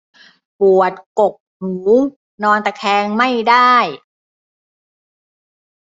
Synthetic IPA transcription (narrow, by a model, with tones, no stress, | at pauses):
pu˨˩ət̪̚ko˨˩k̚nuː˩˦ | nɔː˧nt̪ɛː˨˩kʰɛː˧ŋma˥˩jdaː˥˩j